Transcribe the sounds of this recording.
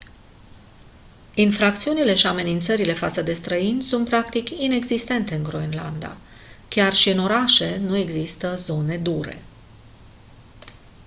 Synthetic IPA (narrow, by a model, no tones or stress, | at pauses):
infɾakt̪siunile̞ʃiame̞nint̪səɾile̞fat̪səd̪e̞st̪ɾəinʲsunt̪̚pɾak̚t̪ikine̞ɡzist̪e̞nt̪e̞ɨŋɡɾoenla̰nd̪a̰ | kʲarʃiɨno̞ɾaʃe̞nue̞ɡzist̪əzo̞ne̞d̪uɾe̞̰